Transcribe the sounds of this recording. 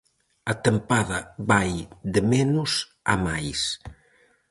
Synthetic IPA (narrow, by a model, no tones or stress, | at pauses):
at̪əmpaðaβajd̪əmɛnuz | a̰majs